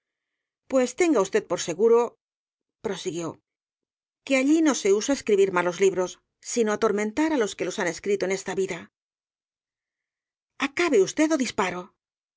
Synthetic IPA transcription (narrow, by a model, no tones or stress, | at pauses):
pwe̞st̪e̞ŋɡaust̪e̞t̪̚po̞ɾse̞ɣuɾo̞ | pɾo̞siɣjo̞ | ke̞aʎino̞se̞usae̞skɾiβiɾmalo̞zliβɾo̞sː | ino̞at̪o̞ɾmẽ̞nt̪aɾalo̞ske̞lo̞sane̞skɾit̪oene̞st̪aβiða | akaβe̞ust̪e̞ðo̞ðispaɾo̞